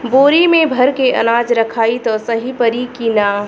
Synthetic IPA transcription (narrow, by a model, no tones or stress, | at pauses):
boːɾimẽbʱəɾkeʔɐ̰naːd͡ʒɾɐkʰaːit̪ɔsəɦipəɾikina